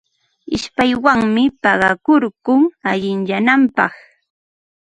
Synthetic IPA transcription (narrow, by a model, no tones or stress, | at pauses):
ɪʃpajwaŋmɪpɑɢɑkʊɾkʊŋaʎɪnʎanampɑ̰χ